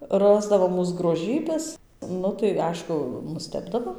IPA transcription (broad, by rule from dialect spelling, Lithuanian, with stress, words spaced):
ˈrɑːzdɐʋoː ˈmuːs ɡroːˈʒʲiːbʲɛs ˈnʊ tɐɪ ˈɐɪʃkʊ nʊˈsʲtʲæːbdɐʋoː